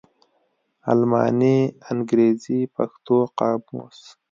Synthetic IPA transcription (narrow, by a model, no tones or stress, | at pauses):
a̰lmɑ̰ːnianɡɾeːzipaxt̪oqɑːbṵs